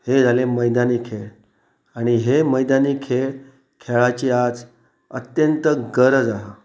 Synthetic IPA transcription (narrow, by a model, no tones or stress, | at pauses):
hed͡zʱaleməjd̪aniːkʰeɭ | aɽ̃iɦeməjd̪anikʰeɭ | kʰeɭat͡ɕiad͡z | ət̪jənt̪əɡəɾəd͡zaɦa